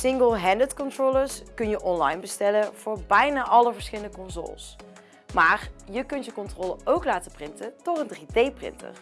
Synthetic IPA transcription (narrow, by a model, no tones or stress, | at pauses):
sɪŋɡəlˠɦɛndətkɔntroləɹskɵnjəʔɔnlɑ̰jnbəstɛlənv̥ʊːɹbɛjnaːʔɑləvəɹsχɪləndəkɔnzo̰ːlˠs | maːrjəkɵntjəkɔntrɔːləʔowklaːtəprɪntətɔtəndridejprɪ̰ntə̰r